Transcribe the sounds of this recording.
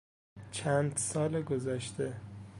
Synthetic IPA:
t͡ʃʰænd̪sɒːleɡozæʃt̪e

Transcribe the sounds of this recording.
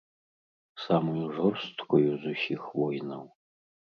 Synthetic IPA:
samojuʐɔrst̪kʷʰojuzusʲixvojnɐ̰w

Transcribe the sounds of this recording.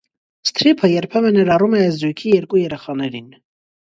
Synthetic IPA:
st̪ʰɾipʰəjɛɾpʰɛvənɛɾɑrumɛɛzd̪ujkʰijɛɾkujɛɾɛχɑnɛɾin

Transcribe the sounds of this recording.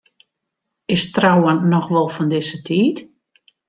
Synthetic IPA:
ɪstrawannɔxʋɔlˠfɔndɪsətʰiːt

